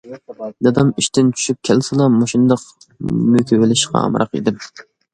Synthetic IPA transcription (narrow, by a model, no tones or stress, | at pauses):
d̪ɑd̪ɑmiʃt̪ʰɪnt͡ʃʰy̥ʃyp̚kʲʰælsɨlˠɑmoʃund̪ɑq | møkʲʰewelɪʃqʰɑ̰ɑ̰mɾɑ̰qḭd̪ɪm